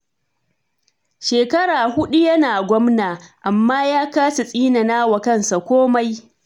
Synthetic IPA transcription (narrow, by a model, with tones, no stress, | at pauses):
ʃeː˨kɐ˦ɽaː˨hʊ˦ɗu˦jɐ˦naː˨ɡʷɔ˦mnaː˨ʔa˨mːaː˦jaː˦kaː˦sa˨sʼiː˦na˨naː˦wɐ˨kɐ˦˨nsa˨kʷoː˦ma˦j